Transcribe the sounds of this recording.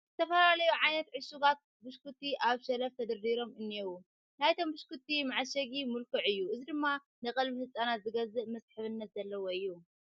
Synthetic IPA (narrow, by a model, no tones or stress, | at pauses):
zɨt̪ʰɐfɐlalɐjuʕajnɐt̪ʕɨʃuɡat̪̚ | bɨʃkut̪ːiʔaβʃɐlɐft̪ʰɐd̪ɐɾːiɾo̞mɨnːewu | najt̪ʰo̞mbɨʃkut̪ːimaʕʃɐɡimɨlkoʕɨjːuʔɨzid̪ɨmːa | nɨkʼɐlbihɨt͡sʼanat̪zɨɡɐzɐmɐsħɨβɨnːɐt̪zɐlːɐwoɨjːu